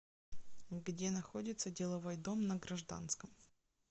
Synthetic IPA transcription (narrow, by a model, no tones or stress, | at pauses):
ɡdʲe̞nɐxo̞dʲɪt̪sədʲɪlˠɐvo̞jd̪o̞mnɐɡɾɐʐd̪a̰nskəm